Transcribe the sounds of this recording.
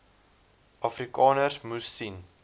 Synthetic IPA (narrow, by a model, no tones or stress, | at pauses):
ʔɐfrikɑːnərsmusːin